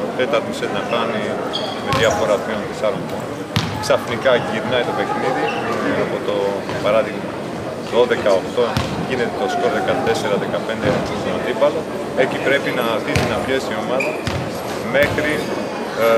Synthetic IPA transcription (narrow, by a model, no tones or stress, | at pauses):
t̪e̞t̪ɐɾt̪iset̪nɐkɐni | me̞ðjɐfo̞ɾɐp̪iond̪isɐɾoŋbon | ksɐfnikɐʝiɾnɐit̪o̞pe̞xniðiiɐpot̪o̞ | pɐɾɐðiɣmɐ | ðoðe̞kɐoxt̪o̞ | ʝine̞t̪et̪oskoɾðe̞kɐt̪e̞se̞ɾɐðe̞kɐpe̞nd̪et̪ost̪onɐnd̪ipɐlo̞ | ecipɾe̞pinɐθisinɐfçest̪io̞mɐðɐ | me̞xɾi